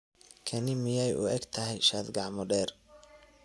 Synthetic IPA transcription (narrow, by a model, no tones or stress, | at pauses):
kʰɐnɪmɪjɛjʔʊ̰ɛɡt̪ʰɐɦɛjʃaːd̪ɡɑʕmɔɖɛːr